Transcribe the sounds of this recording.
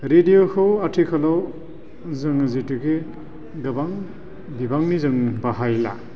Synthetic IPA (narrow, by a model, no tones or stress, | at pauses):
ɾediokʰɯwatʰikʰalaw | zɯŋazitɯɡe | dɯbaŋ | bibaŋnizɯŋbaɦajla̰